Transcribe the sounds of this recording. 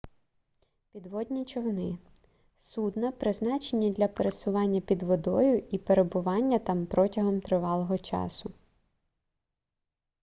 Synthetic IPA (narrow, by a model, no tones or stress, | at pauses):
pʲid̪ʋɔd̪ʲnʲit͡ʃɔwnɪ | sud̪nɐpɾɪznɑt͡ʃenʲːid̪lʲɐpeɾesʊʋɑnʲːɐpʲid̪ʋɔd̪ɔjʊipeɾebʊʋɑnʲːɐt̪ɑmpɾɔtʲɐɦɔmt̪ɾɪʋɑlˠɔɦɔt͡ʃɑ̰sʊ